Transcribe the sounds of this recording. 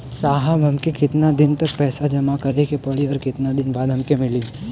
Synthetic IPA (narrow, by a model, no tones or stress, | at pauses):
saːɦəbɦɐmkekɪt̪nad̪ɪnt̪ɐk̚pɛːsad͡ʒɐmakɐɾekepɐɽiɔːɾkɪt̪nad̪ɪnbaːd̪ʱɦɐmkemɪliː